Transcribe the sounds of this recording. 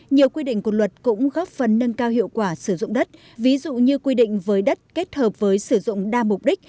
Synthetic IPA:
ɲi˨˩əwkwi˧ɗḭ˧˨ŋ̟kwlwə˨˩t̚kʊ̰˧˥ŋ͡mɣɔ˦˥p̚fə˨˩nːə˧ŋkaː˧whḭ˧˨əwkwaː˧˩sɨ˧˩zʊ̰˧˨ŋ͡mɗə˦˥t̚ | vi˨˦zṵ˧˨ɲɨ˧kwi˧ɗḭ̈˧˨ŋ̟vəː˨˦jɗə˦˥t̚ke˦˥t̚həː˨˩p̚vəː˨˦jsɨ˧˩zʊ̰˧˨ŋ͡mɗaː˧mʊ˨˩k͡p̚ɗï˦˥k̟̚

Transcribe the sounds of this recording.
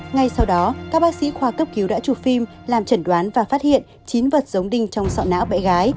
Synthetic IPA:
ŋa˧jsa˧wɗɔ˨˦kaː˦˥k̚ɓaː˦˥k̚sḭ˧˥xwaː˧kə˦˥p̚ki˨˦wɗa̰ː˧˥t͡ɕu˨˧˩fi˧m | laː˨˩mt͡ɕə˧˩nɗwaː˨˦nvaː˨˩fa˦˥t̚hḭ˧˨ən | t͡ɕi˨˦nvə˨˩t̚zə˨˦wŋ͡mɗï˧ŋ̟t͡ɕɔ˧wŋ͡msa̰˧˨wna̰ː˧˥wɓɛ̰˧˥ɣaː˨˦j

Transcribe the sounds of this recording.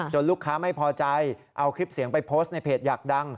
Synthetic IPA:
t͡ɕo˧nluː˥˩kʰːaː˦˥ma˥˩jpʰɔː˧t͡ɕa˧jʔa˧wkʰɾi˦˥p̚si˨˩˦əŋpa˧jpʰoː˦˥st̪̚na˧jpʰeː˨˩t̪̚jaː˨˩k̚da˧ŋ

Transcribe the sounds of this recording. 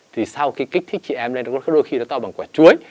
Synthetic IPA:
t̪ʰi˨˩sa˧wxi˨˦jkï̟˦˥t̪ʰi˦˥k̚t͡ɕi˧˩ʔɛ˧mln˨˦˧kːɗo˧jxi˧ɗɔ˨˦t̪ɔ˧ɓaː˨˩ŋkwaː˧˩t͡ɕu˨˦əj

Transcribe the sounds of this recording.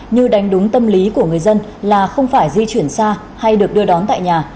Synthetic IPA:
ɲɨ˧ɗa˨˦jŋ̟ɗʊ˨˦ŋ͡mt̪ə˧mli˨˦ku˧˩əŋɨ˨˩əjzə˧nlaː˨˩xə˧wŋ͡mfaː˧˩jzi˧t͡ɕwi˧˩ənsaː˧ | ha˧jɗɨ˨˩ək̚ɗɨ˧əɗɔ˨˦nt̪a̰ː˧˨jɲaː˨˩

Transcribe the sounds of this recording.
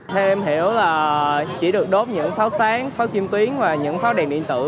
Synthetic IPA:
t̪ʰe˧mhḭ˧˩əwlaː˨˩t͡ɕi˧˩ɗɨ˨˩ək̚ɗo˨˥p̚ɲɨ̰˧˥ŋfaː˨˦wsaː˨˦ŋfaː˨˦wki˧mt̪wi˨˦ənvaː˨˩ɲɨ̰˧˥ŋfaː˨˦wɗɛ˨˩nɗḭ˧˨ənt̪ɨ̰˧˩

